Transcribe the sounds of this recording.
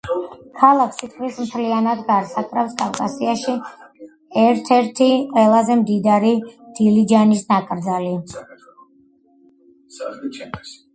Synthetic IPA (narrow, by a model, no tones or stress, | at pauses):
kʰalˠakʰsit̪ʼvismt̪ʰlianad̪ɡaɾsakʼɾafskʼafkʼasiaʃi | ɛɾt̪ʰɛɾt̪ʰiqʼwɛlˠazɛmd̪id̪aɾid̪̥ilid͡ʒanisnakʼɾd̪zali